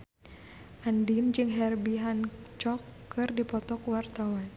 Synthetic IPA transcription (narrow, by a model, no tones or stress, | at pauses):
ʔandind͡ʒɨŋɦɛrbiɦant͡ʃɔkːɨrdipɔt̪ɔkuwart̪awan